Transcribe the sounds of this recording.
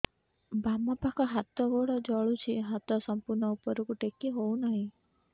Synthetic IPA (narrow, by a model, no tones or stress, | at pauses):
bamɔpakʰɔɦat̪ɔboɽɔd͡ʒɔɭut͡ʃʰiɦat̪ɔsɔmpuɾɳɔupɔɾukuʈekiɦownaɦĩ